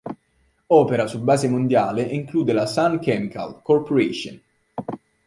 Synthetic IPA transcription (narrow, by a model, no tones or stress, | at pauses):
ɔːpeɾasubːaːzemond̪jaːleʔiŋkluːd̪elasankɛmika̰lkɔrpoɾeʃo̰n